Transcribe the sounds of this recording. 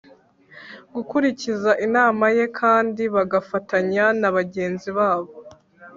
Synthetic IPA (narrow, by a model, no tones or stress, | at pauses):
ɡukuɾicizaʔinaːmaje̞kʰaːndiβaɡafataɲanaβaɟe̞ːnziβaːβo